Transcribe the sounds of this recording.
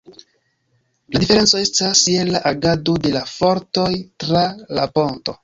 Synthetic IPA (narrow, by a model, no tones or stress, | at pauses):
ladife̞ɾe̞nt͡so̞e̞staselːaʔaɡado̞de̞lafo̞ɾto̞jtɾalapo̞nto̞̰